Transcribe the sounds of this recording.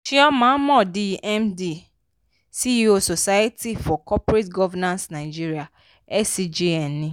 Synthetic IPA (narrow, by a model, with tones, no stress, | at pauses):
ʃi˦ɔ˦mã˨˦mɔ̃˦˨di˦ʔɛ˦mdi˨ | si˦o˦so˨sa˦je˦tʰi˦fɔ˨kɔ˦pɾe˦tɡɔ˦vɛ˦nã˦nsna˨ɪ˨d͡ʒi˦ɾi˦a˨ | ɛ˦si˨d͡ʒi˦ɛ˨nːĩ˦